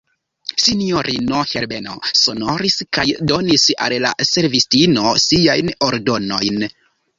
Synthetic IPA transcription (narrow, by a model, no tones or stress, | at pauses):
sinioɾino̞heɾbeno̞̰sono̞ɾiskajdo̞nisa̰lla̰se̞ɾvistino̞siajnoɾdo̞no̞jn